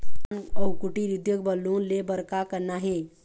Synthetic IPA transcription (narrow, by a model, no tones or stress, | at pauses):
nəwkuʈiɾid̪jəkbəluːnlebəɾkakənaɦe